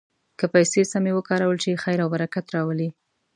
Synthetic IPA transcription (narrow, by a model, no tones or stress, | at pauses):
kəpajsesamewəkɑɾawəlt͡ʃexajɾawbaɾakat̪ɾɑwəli